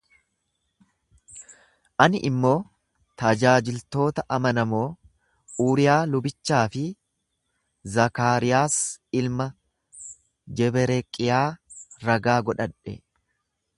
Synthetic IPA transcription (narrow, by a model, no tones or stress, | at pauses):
ʔɐnɪʔɪmːo̞ː | t̪ɐd͡ʒaːd͡ʒɪlt̪o̞ːt̪ɐʔɐmɐnɐmo̞ː | uːɾɪjaːlʊbɪt͡ʃːaːfɪ | zɐkaːɾɪjaːsɪlmɐ | d͡ʒɛbɛɾɛkʼːɪjaː | ɾɐɡaːɡɔᶑɐᶑɛ̰